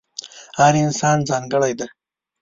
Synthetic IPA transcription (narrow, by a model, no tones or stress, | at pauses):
haɾɪnsɑːnd͡zɑŋɡəɽajd̪a